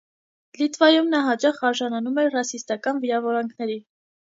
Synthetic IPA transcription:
lit̪vɑjumnɑɦɑt͡ʃɑχɑɾʒɑnɑnumɛɾrɑsist̪ɑkɑnviɾɑvɔɾɑŋkʰnɛɾi

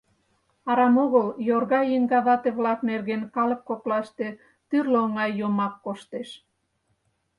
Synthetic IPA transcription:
ɑɾɑmoɣəljorɣɑjiŋɡɑβɑt̪eβlɑknerɣenkɑləp̚koplɑʃt̪e | t̪yrleoŋɑjːomɑkːoʃt̪eʃ

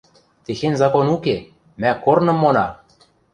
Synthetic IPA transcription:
t̪exenʲzɑkonuke | mækornɤ̆mːonɑ

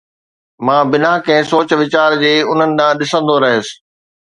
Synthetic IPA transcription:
mãːbɪnaɦkɐ̃ɦɪ̃soːt͡ɕʋɪt͡ɕaːɾd͡ʑeːʊn̤ənɪ̆ɗ̪ãːɗɪsə̃nd̪oɾɐɦeːsɪ̥̆

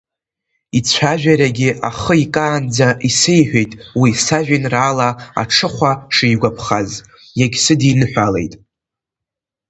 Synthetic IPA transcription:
it͡ɕʷʰaʒᶣaɾaɡʲɪa̰χəikʼaːnd͡zaʔisejħʷᶣejtʼwisaʒᶣinraːlaa̰ʈ͡ʂʰɨχʷaʂijɡʷapʰχaz | jaɡʲsɨdinɨħᶣʷale̞jtʼ

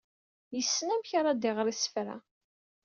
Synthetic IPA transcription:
jəsːnæmçaɾˤɑd̪ɪʁɾisə̥fɾæ̰

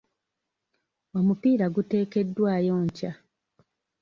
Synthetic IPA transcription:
o̞mupiːɾaɡute̞ːke̞dːwaːjo̞ːɲca

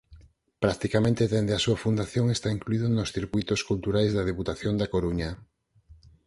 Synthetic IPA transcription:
pɾak̚t̪ikamẽnt̪eðend̪easuɐfund̪aθjoŋest̪aiŋkluiðonosθiɾkujt̪oskult̪uɾajzðɐð̞eput̪aθjond̪akoɾuɲɐ

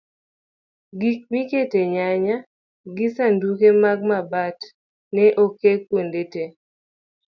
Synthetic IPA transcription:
ɡik̚miketeɲaɲa | ɡɪsandukemaɡ̚mabat | nɛʔokekwondete

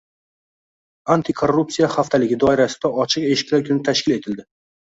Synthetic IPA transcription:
ant̪ʰikʰo̞rːup̚tsijaχaft̪ʰalɪɡʲɪd̪ɒɪɾasɪ̥d̪aɒt͡ʃʰɨqe̞ʃɪ̥kʲlaɾkʰʊnɪt̪ʰaʃkʲɪle̞t̪ʰɪld̪ɪ

